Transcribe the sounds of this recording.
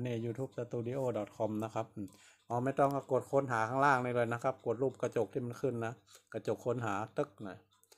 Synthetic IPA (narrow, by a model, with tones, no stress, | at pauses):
neː˧˩juː˧t̪ʰuː˦˩p̚sa˧t̪uː˧˨di˧ʔoː˧˨dɔ˨˩t̪̚kʰɔ˧˥mna˦˥kʰa˦p̚ː | ʔɔː˧˩ma˧˥˨t̪ɔː˧˩ŋkaː˧˩ko˨˩t̪̚kʰo˧˥˨nɦaː˩˦kʰaː˧˥˨laː˧˩ŋni˧˩lɤː˧˩jna˧˥kʰa˧˦˥p̚ko˨˩t̪̚luː˧˩p̚ka˧t͡ɕo˨˩k̚t̪ʰiː˧˩ma˧˥˨nkʰɯ˧˥˨nːa˦˥ka˧˩t͡ɕo˨˩kʰːo˧˥˨nɦaː˩˦t̪ɤ˦˥k̚nɔ˧˩j